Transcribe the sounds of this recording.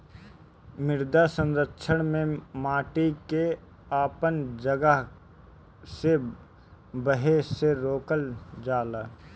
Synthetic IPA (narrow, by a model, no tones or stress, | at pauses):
mɪɾd̪asə̃nɾəkːʃʰəɽ̃mẽmaːʈike | aːpənd͡ʒəɡəɦ | se | bəɦeseɾoːkəld͡ʒaːlaː